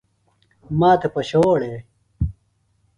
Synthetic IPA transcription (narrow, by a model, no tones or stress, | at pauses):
maːt̪epɐɕoːɽeː